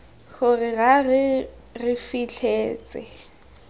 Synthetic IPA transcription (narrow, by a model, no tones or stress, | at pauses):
χʊrɪɣarɪ | rɪfit͡ɬʰeːt͡sʼɪ̰